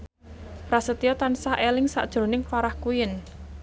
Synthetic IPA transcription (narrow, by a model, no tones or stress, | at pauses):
pɾasət̪iɔt̪ansaʔelɪŋsa̰ʔd̥ʒ̥ɾo̤nɪŋfaɾahkujɪn